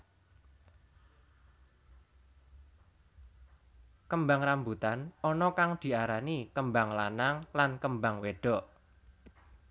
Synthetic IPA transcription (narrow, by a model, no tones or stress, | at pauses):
kəmbaŋrambut̪anɔnɔkaŋd̪̥i̤aɾanikəmbaŋlanaŋlankəmbaŋweɖ̥ɔʔ